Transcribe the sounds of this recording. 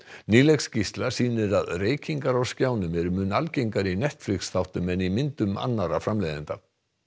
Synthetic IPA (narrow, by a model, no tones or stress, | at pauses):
niːlɛkscist̪lḁsiːnɪɾaðreːjciŋkaɾawscaːwnʏmɛɾʏmʏːnalcejŋkaɾinɛht̪flɪksθawht̪ʏmɛnimɪnt̪ʏma̰nːaɾafɾamlejðɪnt̪a